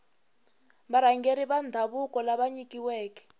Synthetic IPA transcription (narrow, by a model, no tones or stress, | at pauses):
ɓaɾaŋɡeɾiβand̪ʱaβukɔlaɓaɲikʼiwɛːkɛ̥